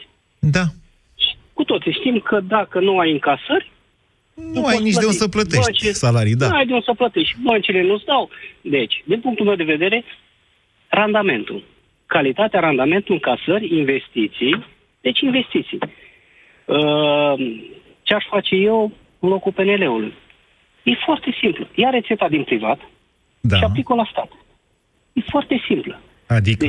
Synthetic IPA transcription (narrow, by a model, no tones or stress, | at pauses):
d̪a | ʃi̥ | kut̪o̞t̪siʃt̪imkʰəd̪akənuajɨŋkasərʲ | nuajnit͡ʃədeunsəplət̪eəʃnt͡ʃiesalaɾijd̪aajd̪eunsəplət̪e̞ʃt̪̚ʲbənt͡ʃile̞nusd̪awd̪e̞t͡ʃʲd̪inpuŋk̚t̪ulme̞wd̪e̞ve̞d̪e̞ɾe̞ | rand̪ame̞nt̪ṵ | kalit̪at̪eaɾand̪ame̞nt̪uɨŋkasərʲinve̞st̪it̪sij | d̪̥e̞t͡ʃʲinve̞st̪it̪sḭj | ə | t͡ʃeaʃfat͡ʃe̞je̞w | lo̞kupe̞ne̞le̞ulṵj | je̞foart̪e̞simpləjaɾe̞t̪se̞t̪ad̪inpɾivat̪ | d̪ʃiaplikolast̪at̪ | jefoart̪e̞simplə | ad̪id̪e